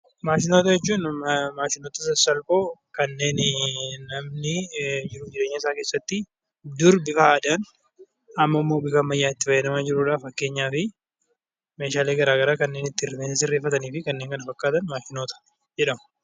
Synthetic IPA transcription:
maːʃɪnoːt̪ɐjɛt͡ʃːuːnmaːʃɪnoːt̪ɐsɐsɐlfoːkɐnːe̞ːnnɐmnɪd͡ʒɪɾʊd͡ʒɪɾeːɲːɐɪsaːkeːsːɐt̪ːɪ | d̪ʊɾbɪkɐːd̪an | ɐmːɐmːo̞ːbɪkɐmːɐjːaːɪt̪ːɪfɐjːɐnɐmaːd͡ʒɪɾuːᶑaːfɐkːe̞ːɲːaːfɪ | meːʃaːleːɡɐɾaːɡɐɾaːkɐnːeːnɪt̪ːɪrːɪmeːsɐsɪrːe̞ːfːɐt̪ɐniːfɪkɐnːeːŋkɐnɐfɐkːaːt̪ɐnmaːʃɪnoːt̪ɐ̥ | d͡ʒɛᶑɐmʊ̥

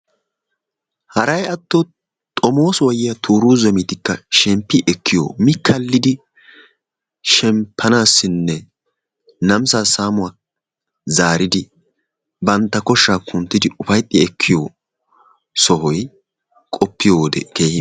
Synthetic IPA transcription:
hɐɾɐjɐt̪ːɔ | t̪ʼɔmo̞ːswɐjɪjɐt̪ʰuːɾuːzɛmɪt̪ɪkːɐʃɛmpːɪʔɛkːɪjo̰ːmɪkʰːɐlːɪd̪ɪ | ʃɛmpʰːɐnaːsːɪnːɛ | nɐmsaːsaːmʊa | zaːɾɪd̪ɪ | bɐnt̪ːɐkɔʃːaːkʰʊnt̪ːɪd̪ɪʔʊfɐjt̪ʼːɪɛkʰːɪjo | sɔɦɔj | kʼɔpːɪjoːd̪ɛ̰keːhɪ

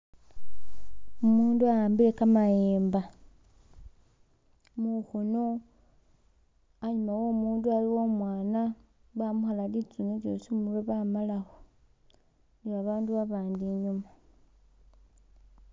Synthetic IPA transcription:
umuːnduajaːmbile̞kamajeːmba | muxuno | aɲumawo̞muːndualiwo̞mwaːna | βamuxalalit͡sunet͡ʃo̰simuleβamalaxo | niβaβaːnduβaβaːndiɲuma

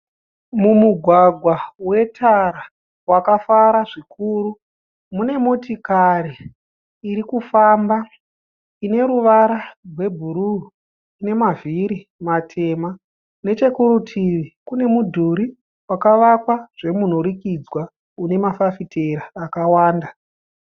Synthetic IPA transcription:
mumuɡʱwaɡʱwawe̞tʰaɾa | wakafaɾaʐikʰuru | mune̞mo̞tikariː | ɾikufamba | ine̞ɾuʋaɾarwe̞bʱuɾu | ine̞maviɾi | matʰe̞ma | ne̞t͡ʃe̞kuɾutʰiʋikune̞mudʱuɾi | wakaʋakwaʐ̥e̞mun̤oɾikid͡zwa | une̞mafafitʰeɾaːkawaːnda

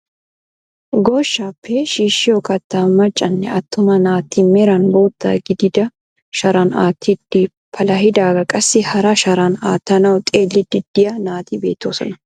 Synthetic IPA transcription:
ɡoːʃːapʰːeʃiːʃːɪjɔkɐt̪ːamɐt͡ʃʼːɐnːɛɐt̪ːʊmɐnaːt̪ːimɛɾɐnbo̞ːt̪ːa̰ːɡɪd̪ɪd̪ɐ | ʃɐɾɐnaːt̪ʰːid̪iː | pʰɐlɐhɪd̪aːɡɐkʼɐsːɪhɐɾɐʃɐɾɐnaːt̪ːɐnɐwt̪ʼeːlːɪd̪ɪd̪ːɪjɐnaːt̪ibe̞ːt̪ːoːsɔ̰nɐ

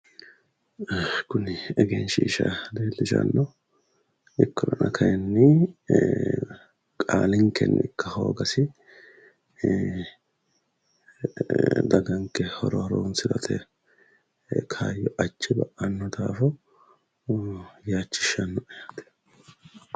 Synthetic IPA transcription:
kʊnɪɛɡeːnʃiːʃɐ̰d̪eːlːɪʃɐ̰nːɔ | ʔɪkʰːɔdɐnɐkʰɐjɛnːɪ | kʼaːlɪŋkɛ̰nːɪ̰kːɐho̞̰ːɡɐsɪ | d̪ɐɡɐŋkːɛhɔɾɔhɾoːnsɪlɐ̰t̪ʰɛ̰ | kʰaːjːɔʔɐt͡ʃːɪbɐʔɐnːɔd̪aːfɔ | jaːt͡ʃːɪ̥ʃːɐnːɔʔɛjɐt̪

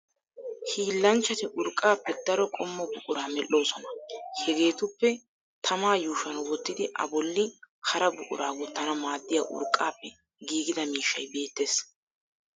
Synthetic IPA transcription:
hiːlːɐnt͡ʃːɐt̪ɪʔʊɾkʼːaːpːɛd̪ɐɾɔkʼɔmːɔbʊʔʼʊɾaːmɛlʔːo̞ːsɔnɐhɛɡe̞ːt̪ʊpːɛ | t̪ʰɐmaːjuːʃɐnwɔt̪ːɪd̪ɪʔɐ̰bɔlːɪkʰɐɾɐbʊʔʼʊ̰ɾaːwɔt̪ːɐnɐmaːd̪ːɪjaːʔʊ̰ɾkʼːaːpːɛ | ɡiːɡɪd̪ɐmiːʃːɐjbe̞ːt̪ːe̞ːs

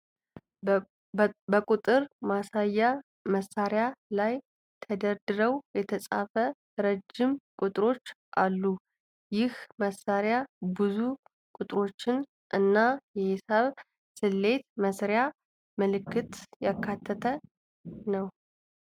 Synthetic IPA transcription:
bəkʼut̪ʼɨɾmasajːa | məsːaɾjalaj | t̪ʰəd̪əɾd̪ɨɾəwjɛt̪ʰəsʼafə | ɾəd͡ʒːɪmkʼut̪ʼɾo̞t͡ʃːʔalːu | jɪhməsaɾjabɨzu | kʼʊt̪ʼɾo̞t͡ʃːɪn | ʔɨnːajɛhɪsaβ | sɨlːe̞t̪məsɾja | mɨlɨkʰːɨt̪jakʰːat̪ʰːət̪ʰə | nəw

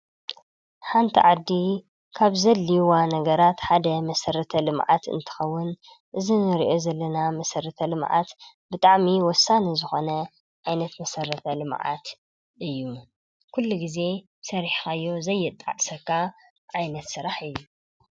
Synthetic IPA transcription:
ħant̪ʰḭʕad̪ːi | kʰaβzɐlːiwanɐɡɐɾat̪ħad̪ɐmɐsɐɾɐt̪ʰɐlɨmʕa̰t̪ɨ̰nt̪ʰɨ̥xɐwːʊn | ʔɨzinɨɾiʔo̞zɐlːɐnamɐsɐɾɐt̪ʰɐlɨmʕa̰t̪ | bɨt̪ʼaʕmiwɔsːanizɨxo̞nɐ | ʕajnɐt̪mɐsɐɾɐt̪ʰɐlɨmʕa̰t̪ | ʔɨjːu | kʰulːuɡize̞ | sɐɾiħxajːo̞zɐjːɨt̪ʼːa̰ʕsɐkʰːa | ʕajnɐt̪sɨɾaħɨjːu

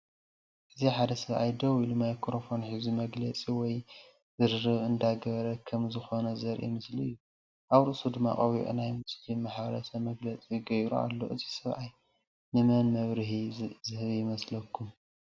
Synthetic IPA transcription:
ʔɨziħad̪ɐsɐβʕa̰jd̪ɐwilumajkʰɾofo̞nħizumɐɡlɐt͡sʼiwɔj | zɨɾɾɨβɨnd̪aɡɐβɾɐkʰɐmzɨxo̞nɐzɐɾʔḭmɨsliɨjːu | ʔaβɾɨʔsud̪ɨmːa̰χʼɐβḭʔṵnajmɨsʼt̪ʰimaħβɾɐsɐmɐɡlɐt͡sʼiɡɐjɾṵa̰lːo̞̰ʔɨzi̥sɐβʕaj | nɨmɐnmɐβɾɨɦizɨhɨβjɪmɐslɐkʰːum

